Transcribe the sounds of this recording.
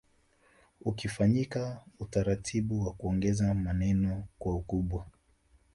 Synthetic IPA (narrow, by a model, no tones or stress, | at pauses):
ukifaɲikautaɾatʰiɓuwakuɔŋɡɛzamanɛnɔkwaukuɓwa